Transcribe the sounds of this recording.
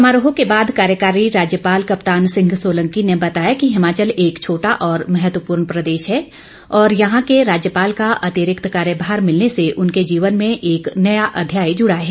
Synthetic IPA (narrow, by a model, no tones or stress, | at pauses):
ɐmaːɾoːɦõkebaːd̪kaːɾjəkaːɾiɾaːd͡ʒjəpaːlkɐpt̪aːnsɪ̃ŋɡsoːlə̃ŋkinebɐt̪aːjakiɦɪmaːt͡ʃəleːkt͡ʃʰoːʈaʔɔːɾmɛɦət̪wəpuːɾɳpɾɐd̪eːʃɦɛː | ɔːɾjɐɦãkeɾaːd͡ʒjəpaːlkaʔɐt̪iɾɪkt̪kaːɾjəbʱaːɾmɪlneseʔʊnked͡ʒiːʋənmẽʔeːknɐjaʔɐd̪ʱjaːjd͡ʒʊɽaɦɛː